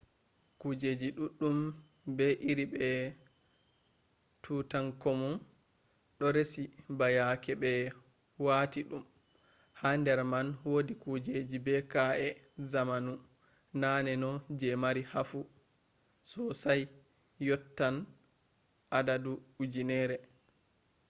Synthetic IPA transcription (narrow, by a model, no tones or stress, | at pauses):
kud͡ʒed͡ʒiɗuɗːum | bɛʔiɾibɛ | tʰuːtaŋkɔmun | ɗɔɾesibajakɛbɛ | waːtiɗum | handɛɾmanwodikud͡ʒed͡ʒibɛkaɛ | zamanu | nanɛnɔd͡ʒɛmaɾihafu | sɔsaj | jɔtːan | ʔadaduud͡ʒinɛɾɛ